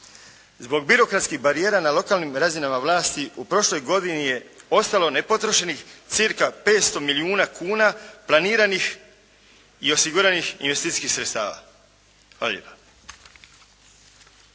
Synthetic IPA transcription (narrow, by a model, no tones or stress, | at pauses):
zbo̞ɡ̚biɾo̞kɾat̪skixbaɾije̞ːɾanalo̞kaːlnimɾazinamaʋlˠaːst̪iupɾo̞ʃlo̞jɡo̞d̪inije̞o̞st̪alo̞ne̞po̞t̪ɾoʃenixt̪siɾkape̞ːt̪st̪o̞miliuːnakʰuːnaplaniːɾanix | io̞siɡuɾanixḭnʋe̞st̪it̪iskixsɾet̪st̪a̰ːʋa̰ | xa̰la̰lḭpa